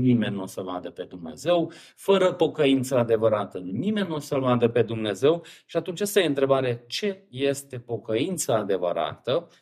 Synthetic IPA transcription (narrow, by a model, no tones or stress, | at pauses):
nime̞nʲːuosəva̰d̪əpe̞d̪umne̞̰ze̞w | fəɾəpo̞kəint̪səad̪e̞vəɾat̪ənime̞nʲːuosəlvad̪əpe̞d̪umne̞ze̞wʃiat̪unt͡ʃast̪ajeɨnt̪ɾe̞baɾet͡ʃe̞je̞st̪e̞po̞kəint̪səad̪e̞və̰ɾa̰t̪ə